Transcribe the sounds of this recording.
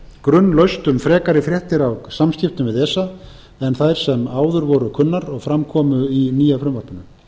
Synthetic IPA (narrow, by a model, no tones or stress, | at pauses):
kɾʏnːlœɥst̪ʏmfɾɛːkaɾɪfɾjɛht̪ɪɾawsamscɪft̪ʏmvɪðɛːsːa | ɛnθajɾ̥sɛmaːwðʏɾvɔɾʏkʰʏnːaɾɔɣfɾamkʰɔːmʏiniːjafɾʏmvaɾp̪ʏnʏm